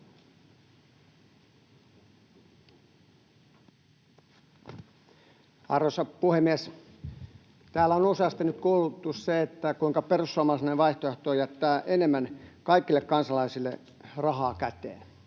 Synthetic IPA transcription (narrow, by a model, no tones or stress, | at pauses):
ɑrʋosɑpuhemːies | t̪æːlæonuseɑst̪ɑnyt̪kuːlut̪ːusseet̪ːækuiŋkɑperusːoɑːmɑsneʋɑiht̪oeht̪oːjæt̪ːæːʔenemːænkɑikːilːekkɑnsɑlɑisilːe | rɑɦɑːkæt̪ḛːn